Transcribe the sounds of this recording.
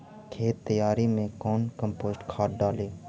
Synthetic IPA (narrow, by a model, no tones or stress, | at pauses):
kʰeːt̪ːəjaːɾiːmẽːkoːnkəmpoːzʈkʰaːʈ̚ɖaːleː